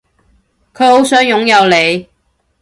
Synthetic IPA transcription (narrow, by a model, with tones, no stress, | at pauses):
kʰɵ˨˧˥ho˨˥wsœː˨˥ŋjʊ˨˥ŋjɐ˨˧wle˨˧j